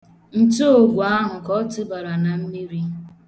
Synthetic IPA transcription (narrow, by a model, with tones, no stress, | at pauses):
n̩˦to˦o˨ɡʷu˨a˦ɦʊ˨kɔ˦tʊ˦ba˨ɾa˨na˨m̩˦mi˦ɾi˦